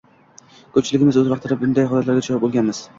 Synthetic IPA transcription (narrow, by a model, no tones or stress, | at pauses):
kʰɵp̚t͡ʃʰɪlɪɡʲɪmɪzɵzvɑqt̪ʰɪɾɪbʊnd̪ajhɦɒlat̪laɾɡʲat͡ʃʰɒap̚bolˠɡʲanmɪz̥